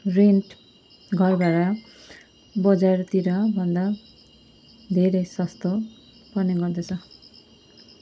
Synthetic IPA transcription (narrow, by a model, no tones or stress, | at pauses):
rinʈ | ɡʱʌrbaɾʌ | bʌd͡zart̪iɾʌbʱʌnd̪a | d̪ʱeɾʌjsʌst̪ʰo | pʌrneɡʌrd̪et͡sʰʌ